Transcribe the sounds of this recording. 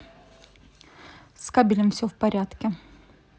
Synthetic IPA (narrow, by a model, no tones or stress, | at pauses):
skɐbʲilʲɪmfsʲofpɐɾʲat̪kʲɪ